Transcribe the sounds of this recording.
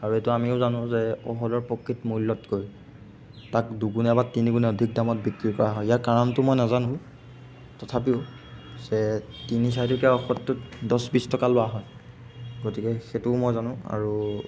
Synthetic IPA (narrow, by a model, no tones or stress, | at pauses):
aɹuetʊamiʊzanʊ̃zɛɔ̰ɦɔdɔɹpɔkʰːitmulːɔtkoɹji | tak̚duɡunɛbatːiniɡunɛodʱik̚damɔt̚bikɹikɔɹaɦɔjijakaɹɔntʊmɔjnazanʊ̃ | tɔtʰap̬iʊ | z̥ɛ | tinis̬aitʊkɛaɔxɔtːʊtdɔsbistɔkalʊwaɦɔj | ɡotikɛxetʊmojzanʊ̃a̰ɹu